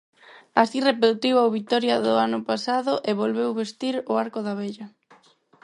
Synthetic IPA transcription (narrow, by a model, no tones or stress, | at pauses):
asirepeðt̪ewawβit̪ɔɾjɐðʊanʊpasaðʊʔeβolβewβest̪iɾʊaɾkʊðaβeʎɐ